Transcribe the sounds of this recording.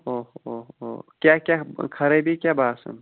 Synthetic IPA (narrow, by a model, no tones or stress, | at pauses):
oɦoɦo̰kʲjakʲjakʰɐɾebikʲjabaːsə̰n